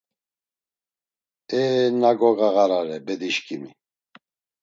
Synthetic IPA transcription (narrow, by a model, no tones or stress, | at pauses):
ɛnaɡɔɣaɣaɾaɾɛbɛd̪iʃkʰʼimi